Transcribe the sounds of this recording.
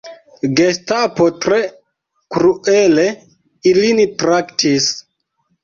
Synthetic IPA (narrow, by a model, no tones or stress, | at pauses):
ɡestapotɾe | kɾuʔele | ilinitɾaktʰis